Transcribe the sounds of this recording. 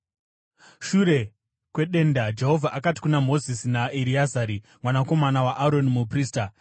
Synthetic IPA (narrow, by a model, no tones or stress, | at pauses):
ʃuɾe̞ | kwe̞ɗe̞ndad͡ʒe̞ɦo̞vʱaʔakati̥kunamo̞zisinaiɾiazaɾi | mwanako̞manawaʔaɾo̞nimup̬riːsta